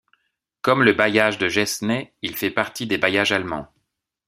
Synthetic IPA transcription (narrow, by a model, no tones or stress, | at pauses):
kɔmləbajaʒd̪əʒɛsnɛilfɛpaʁt̪id̪ebajaʒalmɑ̰̃